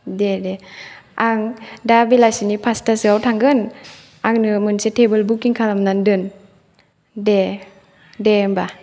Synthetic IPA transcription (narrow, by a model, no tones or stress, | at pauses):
dedeaŋdabilajsinipʰastasɯawtʰaŋɡɯn | aŋnɯmɯnsetʰebɯlbukːiŋkʰalamnandɯn | de | demba